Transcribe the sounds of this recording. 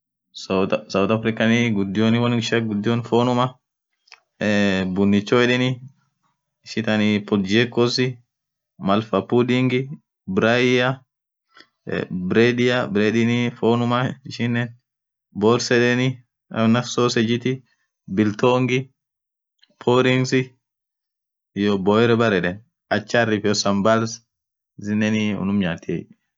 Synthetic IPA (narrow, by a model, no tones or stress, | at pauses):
ssɐwʊt̪ɐfɾɪkːɐnɪɡʊd̪ːɪjoːnɪwɐnʃɐɡʊd̪ːɪjoːnfoːnʊmɐ | bʊnːɪt͡ʃːoɛᶑɪnɪ | ɪʃɪt̪ɐnɪpɔld͡ʒɛkːɔsɪ | mɐlfɐpːud̪iŋɡɪ | bɾɐjɐ | bɾed̪ɪjɐbɾeːd̪ɪnɪfoːnʊmaɪʃɪnːɛn | bɔɾsɛᶑɛni | ɐnɐfsoːsɛd͡ʒɪt̪ɪ | bɪlt̪oːŋɡɪ | pʰoɾiŋsɪ | jɔbɔɛɾɛbɐɾɛᶑɛn | ɐt͡ʃːarifɔsɐmbɐls | zɪnːɛniʊ̰nʊmɲaːt̪ːe